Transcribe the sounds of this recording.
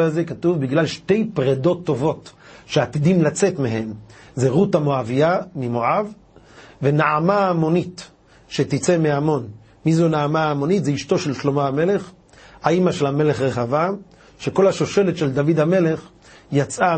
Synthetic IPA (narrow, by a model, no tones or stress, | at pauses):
azekatuvbiɡlalʃte̞jpʁedo̞t̪ːo̞vo̞t | ʃeat̪id̪imlat͡se̞t̪meɦe̞mzeʁutamoaviamimoʕav | venaamaːmo̞nit | ʃet̪it͡semeamo̞n | mizunaamaːmo̞nit̪zeiʃto̞ʃe̞lʃlo̞maame̞le̞χ | haimaʃe̞lame̞le̞χʁeχava | ʃeko̞lhaʃo̞ʃe̞letʃe̞ld̪avid̪hame̞le̞χ | jat͡sʔa